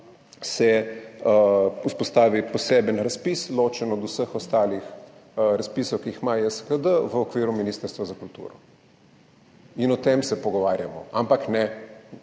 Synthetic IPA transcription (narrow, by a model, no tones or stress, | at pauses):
sɛ | uspɔst̪aːʋipɔseːbənɾaspisloːt͡ʃɛnɔd̪usəxɔst̪aːlix | ɾaspiːsɔwkiixmajɛskəd̪əʋəɔkʋiːɾuminiːst̪əɾst̪ʋazakult̪ṵːɾɔ̰ | inɔt̪emsɛpɔɡɔʋaːɾjamɔ̰ʔampaknɛ